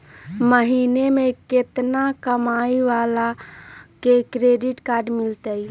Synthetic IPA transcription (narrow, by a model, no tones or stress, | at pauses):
məɦiːnemẽkɪt̪nakəmaːiʋaːlakekɾeːɖɪʈkaːɾɖmɪlt̪əi